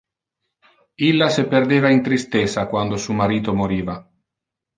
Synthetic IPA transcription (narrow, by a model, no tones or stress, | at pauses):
ilːaseperd̪eːvaint̪ɾist̪esakwand̪osuːmaɾiːt̪omoɾiːva